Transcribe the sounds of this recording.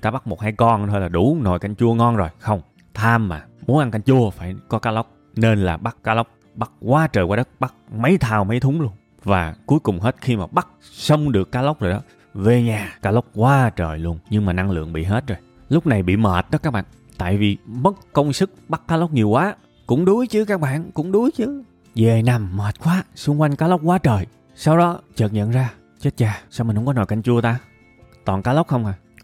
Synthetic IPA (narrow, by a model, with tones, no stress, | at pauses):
t̪aː˧ɓa˦˥k̚mo˨˩t̚haː˨˦jkɔ˧nt̪ʰo˧jlaː˨˩ɗu˧˩no˨˩jka˧jŋ̟t͡ɕu˧əŋɔ˧nzo˨˩jxə˧wŋ͡m | t̪ʰaː˧mːaː˨˩mu˨˦nʔa˧nka˧jŋ̟t͡ɕu˧əfaː˧˩jkɔ˨˦kaː˨˦˥lə˦˥wk͡p̚ | ne˧nlaː˨˩ɓa˦˥kːaː˨˦˥lə˦˥wk͡p̚ | ɓa˦˥k̚kwaː˨˦t͡ɕəː˨˩kwaː˧ɗə˦˥t̚ɓa˦˥k̚ma˨˦jt̪ʰaː˨˩wma˨˦jt̪ʰʊ˨˦ŋ͡mlu˧ən | vaː˨˩ku˨˦əjkʊ˨˩ŋ͡mɦe˦˥t̚xi˧maː˨˩ɓa˦˥k̚ | sə˧wŋ͡mɗɨ˨˩əkːaː˨˦˥lə˦˥k͡p̚zo˨˩jɗɔ˨˦ | ve˨˩ɲaː˨˩kaː˨˦lə˦˥wk͡p̚kwaː˨˦t͡ɕəː˨˩jlu˧ənɲɨ˧ŋmaː˨˩na˧ŋlɨ̰˧˨əŋɓḭ˧˨ɦe˦˥t̚zoː˨˩j | lʊ˦˥k͡p̚na˨˩jɓḭ˧˨məː˨˩t̚ɗɔ˨˦kaː˦˥k̚ɓa̰ː˧˨n | t̪a̰ː˧˨jvi˨˩mə˦˥t̚kə˧wŋ͡msɨ˦˥k̚ɓa˦˥k̚kaː˦lə˦˥wk͡p̚ɲi˨˩əwkwaː˨˦ | kʊ̰˧˥ŋ͡mɗu˨˦jt͡ɕɨ˨˦kaː˦˥k̚ɓa̰ː˧˨nkʊ̰˧˥ŋ͡mɗu˨˦jt͡ɕɨ˨˦ | ze˨˩na˨˩mːəː˨˩t̚kwaː˨˦su˧əŋkwa˧jŋ̟kaː˨˦lə˦˥wk͡p̚kwaː˨˦t͡ɕəː˨˩j | sa˧wɗɔ˨˦t͡ɕəː˨˩t̚ɲə̰˧˨nzaː˧ | t͡ɕe˦˥t̚t͡ɕaː˧˩sa˧wmi˨˩nhŋ͡mkɔ˨˦no˨˩jka˧jŋ̟t͡ɕu˧ət̪aː˧ | t̪wɔː˨˩nkaː˨˦lə˦˥k͡p̚xə˧wŋ͡mʔaː˨˩